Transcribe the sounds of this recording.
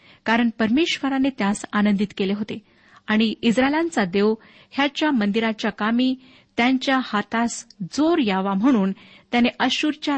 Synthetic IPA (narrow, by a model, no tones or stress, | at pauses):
kaɾəɳpəɾmeɕʋəɾanet̪jasanənd̪it̪keleɦot̪e | aɽ̃iisɾaelãnt͡sad̪eʋ | hjat͡ɕjamənd̪iɾat͡ɕjakamiː | t̪jaɲt͡ɕjahat̪asd͡zoɾjaʋam̤əɽ̃uːnt̪janeʔəɕuɾt͡ɕja